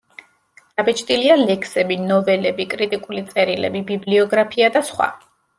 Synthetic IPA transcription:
d̪̥abɛt͡ʃʰʼt̪ʼilialɛkʰsɛbinɔvɛlɛbikʼɾit̪ʼikʼulit̪sʼɛɾilɛ̰bibibliɔɡɾapʰiad̪asχwa̰

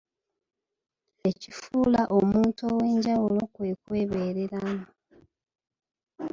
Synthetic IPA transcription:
e̞cifuːlaʔo̞muːntowe̞ːɲɟawulo̞kwekwe̞βe̞ːɾeɾano

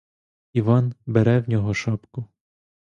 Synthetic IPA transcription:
iʋɑnbeɾɛwnʲɔɦɔʃɑpkʊ

